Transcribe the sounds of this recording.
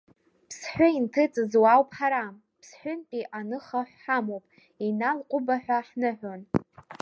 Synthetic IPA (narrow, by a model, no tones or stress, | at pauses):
pʰsħʷᶣʊintʰɨt͡sʼɨzwawpʼħaɾam | pʰsħʷᶣʊnpʼiʔanɨχaħʷħamowpʼ | inalqʷʼʊbaħᶣʷaħnɨħʷᶣon